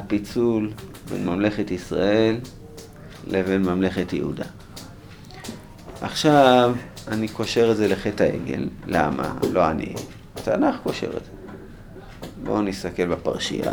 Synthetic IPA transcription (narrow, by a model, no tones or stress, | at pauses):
hapit͡sul | be̞̰nmamle̞χetisʁae̞lː | eve̞nmamle̞χetjḛhṵda̰ | ʔaχʃavaniko̞ʃe̞ʁedze̞leχethaʔe̞̰ɡe̞̰lːa̰ma̰lo̞anḭ | atanaχko̞ʃe̞̰ʁedz̥e | bo̞̰nist̪ake̞lbapaʁʃḭa̰